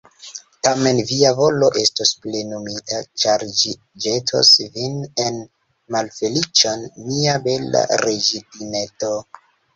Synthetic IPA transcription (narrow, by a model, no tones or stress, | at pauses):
tame̞nviavo̞lo̞ʔe̞stosplenomitʰat͡ʃaɾd͡ʒi | d͡ʒetʰo̰svinen | malfe̞lit͡ʃonːiabe̞la̰ɾed͡ʒidineto